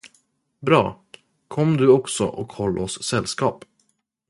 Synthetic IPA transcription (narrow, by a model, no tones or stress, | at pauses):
bɾɑ̰ː | kʰɔmːd̪ɵɔksɔ̰ʔɔkhɔlːɔssɛlːskɑːp